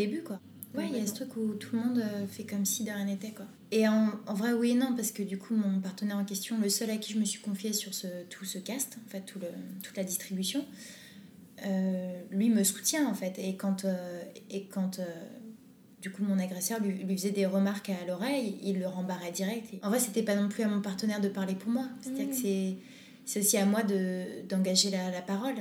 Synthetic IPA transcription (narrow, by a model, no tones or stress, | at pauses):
od̪ebykwa | wɛlasə̥t̪χykut̪ʰuləmɔ̃d̪øfɛkɔmsid̪əʁjɛ̃net̪ɛkwa | eɑ̃ɑ̃vʁɛwienɔ̃paʁsə̥kəd̪ykʰumɔ̃paʁt̪ənɛʁɑ̃kʲɛst̪jɔ̃ləsœlakʲiʒəməsɥi̥kɔ̃fjesyʁsət̪ʰu̥səkʲast̪ɑ̃fɛt̪ːulət̪ːu̥t̪lad̪ist̪χibysjɔ̃ | ølɥiməsu̥t̪jɛ̃ɑ̃fɛt̪ekɑ̃t̪øekɑ̃t̪ø | d̪ykumɔ̃naɡʁɛsœʁlɥilɥifəzɛd̪eʁəmaʁkalɔʁɛjilːəʁɑ̃baʁɛd̪iʁɛk̚t̪ʰeɑ̃vʁɛset̪ɛpanɔ̃plyamɔ̃paʁt̪ənɛʁd̪əpaʁlepuʁmwase̥tt̪ad̪iʁkəsɛ | sɛosiamwad̪əd̪ɑ̃ɡaʒelalapaʁɔl